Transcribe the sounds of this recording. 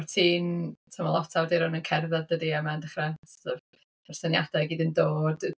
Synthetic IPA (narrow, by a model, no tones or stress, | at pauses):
rtʰiːntʰəmɔlˠɔtʰawdɪɾɔnənkʰɛrðaðdədiamaəndəχrɛsɔ | b̥ɛrsənjadaɡiːdəndoːd̥